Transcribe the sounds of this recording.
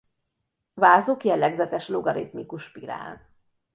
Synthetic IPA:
vaːzoːkjɛlːɛɡzɛt̪ɛʃloɡɒɾit̪mikuʃpiɾa̰ːn

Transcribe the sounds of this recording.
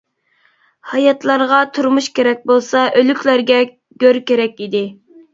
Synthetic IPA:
hɑjɑt̪lˠɑɾʁɑt̪ʰuɾmuʃkʲeɾɛk̚ʲbolˠsɑʔølykʲlæɾɡʲɛ | ɡ̥ʲøɾkʲeɾɛkʲid̪ɪ

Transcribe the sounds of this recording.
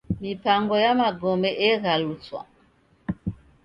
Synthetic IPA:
mipaŋɡɔjamaɡɔmɛʔɛɣalut͡swa̰

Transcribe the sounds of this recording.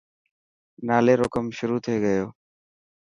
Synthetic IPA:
naleɾɔkəmʃuɾut̪ʰoeɡɛjo

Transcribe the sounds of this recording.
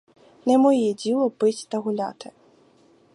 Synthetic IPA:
nʲɛmɔjɛd͡zʲilˠɔbɨt͡sʲt̪ɐɣulʲa̰t̪ɨ

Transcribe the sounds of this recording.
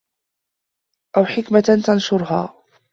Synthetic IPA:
ʔawħɪkmat̪anʃʊɾɦa̰ː

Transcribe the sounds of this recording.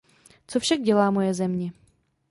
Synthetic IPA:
t͡sofʃaɡ̚ɟɛlaːmojɛzɛmɲɛ

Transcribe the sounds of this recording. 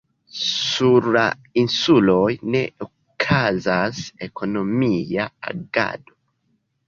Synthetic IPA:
suɾa | insulojneo | kʰazasekʰonomiaa̰ɡa̰do

